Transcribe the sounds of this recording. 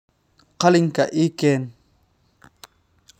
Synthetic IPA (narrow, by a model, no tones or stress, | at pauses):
qaliŋkaʔiken